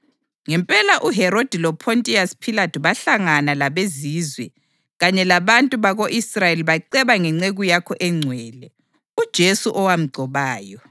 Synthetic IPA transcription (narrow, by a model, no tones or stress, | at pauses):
ŋɛmpʼɛlaʔuɦɛɾod̥ʱilɔpʰontʼiaspʰilatʰuβaɬaŋanalaβeziːzwɛ | ɣaɲɛlaβantʼuβaɣoʔisrajeliβaǀɛβaŋɛŋ͡ǀeɣujakʰɔʔɛŋ͡ǀʱwɛːlɛ | ud̥ʒ̥ʱesuʔɔwam̩ɡ͡ǀʱɔβaːjɔ